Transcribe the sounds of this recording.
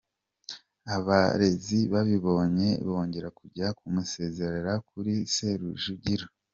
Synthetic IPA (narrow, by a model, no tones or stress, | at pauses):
aβaɾe̞ziβaβiβo̞ɲe̞βo̞ːɲɟe̞ɾakuɾɟakumuse̞ze̞ɾaɾakuɾise̞ɾuʒuɟiɾo